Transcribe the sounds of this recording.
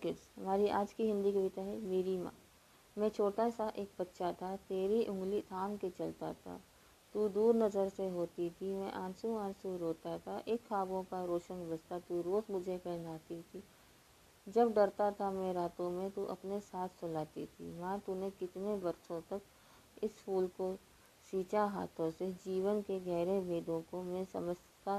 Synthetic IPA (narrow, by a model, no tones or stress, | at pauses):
kɪsɦɐmaːɾiʔaːd͡ʒkiɦɪ̃nd̪ikɐbɪt̪aɦɛmeːɾimã̰ː | mɛ̃ːt͡ʃʰoːʈasaʔeːk̚bɐtːʃʰat̪ʰat̪eːɾiʔʊ̃ŋɡlit̪ʰaːnket͡ʃɐlt̪a̰t̪ʰa̰ | t̪ud̪uːɾnəzəɾseɦoːt̪it̪ʰimɛ̃ʔãːnsũãːnsuɾɦoːt̪at̪ʰaʔeːkxaːbõkaɾoːʃənbəd͡ʒt̪at̪uɾoːzmʊd͡ʒʱepɛd͡ʒaːt̪it̪ʰi | d͡ʒɐbɖɐɾt̪at̪ʰamɛ̃ɾaːt̪õmẽt̪uʔɐ̰pnesaːt̪ʰsʊlaːt̪it̪ʰḭmãt̪unẽkɪt̪nẽbɐɾsõt̪ɐk | ɪsfuːlko | ʃiːt͡ʃaɦa̰ːt̪ʰõsed͡ʒiːʋənkeɡɛːɾebʱeːɖõkomɛ̃sɐ̰məs | t̪a